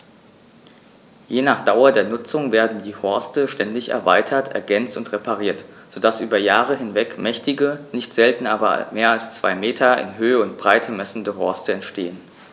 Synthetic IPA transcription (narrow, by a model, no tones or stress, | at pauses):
jeːnaːχd̥aʊɐdeːɐnʊt͡sʊŋveːɐdn̩diːhɔɐstəʃtɛndɪçɛ̰ɐva̰ɪtʰɐtʰʔɛ̰ɐɡɛnt͡stʊntʁepaʁ̞iːɐtz̥odasʔyːbɐjaːʁəɦɪnvɛkmɛçtɪɡənɪçtz̥ɛltn̩aːbɐ̰meːɐalst͡sv̥a̰ɪmeːtʰɐɪ̰nɦøːəʊntb̥ʁaɪtʰəmɛsn̩dəɦɔɐstəɛntʃtḛːən